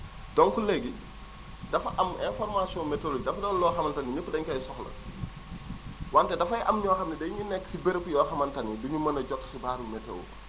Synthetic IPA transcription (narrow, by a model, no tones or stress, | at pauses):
dɔnkulɛɡi | dɐfɐʔɐmɛ̃nfɔrmasijɔ̃metolod͡ʒidɐfɐdɔːnlɔːxɐmɐntɐniɲəkːudɐɲkɐjsɔxlɐ̰ | wantɛdɐfɐjʔɐmɲɔːxɐmnidɐɲunɛkːsibɛɾpujɔːxɐmɐntɐnːiduɲumɐnɐɟɔtːsibaːɾumɛtːɛ̰w̰